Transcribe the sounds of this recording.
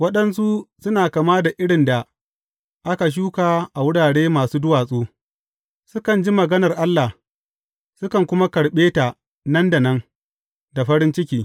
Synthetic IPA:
wɐ˦ɗɐ˦ns̬u˦sʊ˦naː˨kaː˨maː˦da˨ʔɪ˦ɽɪ˨nda˨ | ʔa˦ka˨ʃ̬uː˦kaː˨ʔa˨wʊ˦ɽaː˨ɽeː˦maː˨suː˦dʊ˦waː˨sʼuː˦ | sʊ˦kɐ˨nd͡ʒi˦mɐ˨ɡɐ˦nɐ˨rʔa˦lːa˨ | sʊ˦kɐ˨ŋkʷʊ˦ma˦kɐ˨ɽɓeː˦ta˨ | nɐ˦nda˨nɐ˦ŋ | da˨ɸɐ˦ɽɪ˦nt͡ʃɪ˦kʲiː˨

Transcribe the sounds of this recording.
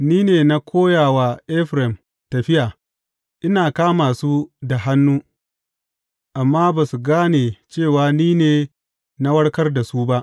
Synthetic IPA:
niː˦neː˨na˦kʷʰoː˦jaː˨waː˨ʔɛ˦ɸɾɛ˨m | tɐ˨ɸɪ˦jaː˨ | ʔɪ˦naː˨kaː˦maː˨suː˦da˨ɦa˦nːuː˦ | ʔa˨mːaː˦baː˨su˨ɡaː˦neː˨t͡ʃeː˦˨waː˨niː˦neː˨ | na˦wɐ˦ɽkɐ˦rda˨suː˦ba˦ʔ

